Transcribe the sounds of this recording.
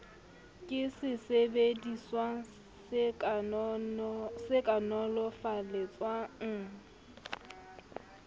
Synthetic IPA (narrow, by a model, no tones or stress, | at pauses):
kʼɪsɪsebediswa | sɪkʼanɔlɔfalet͡sʼwaŋ̩